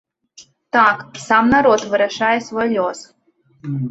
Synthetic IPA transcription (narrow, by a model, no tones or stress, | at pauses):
t̪aksamnaɾot̪vɨɾɐʂajɛsvojlʲos